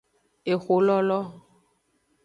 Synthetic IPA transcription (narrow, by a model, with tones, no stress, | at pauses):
e˨xo˨lɔ˦lɔ˦